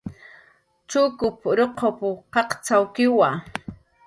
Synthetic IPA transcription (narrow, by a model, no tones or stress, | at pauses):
t͡ʃʊkʊpɾoqʰopʊqɑqt͡sawkɪwa